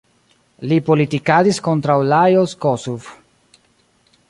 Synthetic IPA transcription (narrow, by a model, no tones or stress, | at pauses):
lipolitikadisko̞ntɾawlajoskosuv